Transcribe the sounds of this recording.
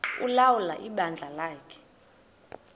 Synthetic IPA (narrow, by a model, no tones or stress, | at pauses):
ulawula̰ʔiɓand͡ɮʱalaːkʰɛ̥